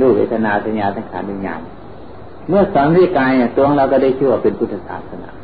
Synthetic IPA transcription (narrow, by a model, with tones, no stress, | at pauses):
duː˧˩wḛː˧˩t̪ʰa˧naː˧sʰa˧ɲaː˧t̪ʰa˧˩ŋkʰaː˨˧˦ndi˧˩ɲa̰ː˧˩n | mɯ˧˥˩ɐ˨sɔː˨˦ŋɾi˧˩əkːaː˧ja˧˩t̪u˧hɔ˧ɾa˧wka˧˩da˧˩˨kʰiː˧˥˩waː˧˩pe˨npʰu˧t̪ʰːa˧sa̰ː˨˩p̪̚sa˧na̰ː˧˦